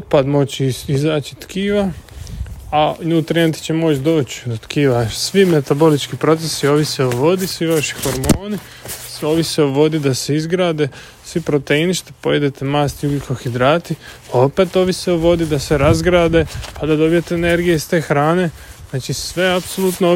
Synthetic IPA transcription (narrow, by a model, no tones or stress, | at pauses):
od̪̚pad̪mo̞t͡ɕizaːt͡ʃi̥t̪kʰiːʋa | aɲuːt̪ɾijent̪i̥t͡ɕemo̞t͡ɕd̪o̞ːt͡ɕd̪ot̪kiːʋasʋime̞t̪abo̞lit͡ʃkipɾo̞t̪sesio̞ːʋiseoʋo̞d̪isʋiʋaʃi̥xoɾmoːni | so̞ːʋiseoʋo̞d̪id̪aseizɡɾaːd̪e | sʋipɾo̞t̪einiʃt̪e̥po̞jed̪et̪emaːst̪iuɡikoxid̪ɾaːt̪iao̞peːt̪o̞ːʋiseoʋo̞d̪id̪ase̞ɾazɡɾaːd̪e̞pad̪ad̪o̞bijet̪eːne̞ɾɡijeist̪e̞ːxɾaːne̞znaːt͡ʃisʋe̞apsolˠut̪no